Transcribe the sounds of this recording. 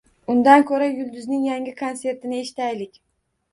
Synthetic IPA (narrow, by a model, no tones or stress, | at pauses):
ʊnd̪ankʲʰɵɾajʊlˠd̪ʊznɪŋjaŋɡʲɪkʰonse̞ɾt̪ɪnɪe̞ʃɪ̥t̪ajlɪkʲ